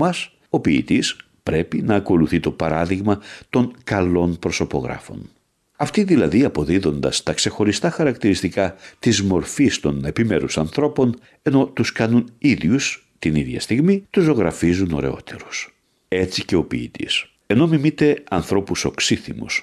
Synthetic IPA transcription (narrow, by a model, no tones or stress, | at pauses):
ɐs | o̞piːt̪is | pɾe̞pinɐːko̞luθit̪o̞pɐɾɐðiɣmɐt̪o̞ŋkɐlo̞npɾo̞so̞po̞ɣɾɐ̰fo̞̰n | ɐft̪iðilɐðiɐpo̞ðiðo̞nd̪ɐst̪ɐkse̞xo̞ɾist̪ɐxɐɾɐkt̪iɾist̪ikɐt̪izmo̞ɾfist̪o̞ne̞pime̞ɾusɐnθɾo̞po̞n | e̞no̞t̪uskɐnuniðʝus | t̪iniðʝɐ̰st̪iɣmit̪uzo̞ɣɾɐfizuno̞̰ɾe̞̰o̞t̪e̞̰ɾu̥s | e̞t͡sice̞o̞piːt̪ḭs | e̞no̞mimit̪e̞ɐnθɾo̞puso̞ksiθḭmṵs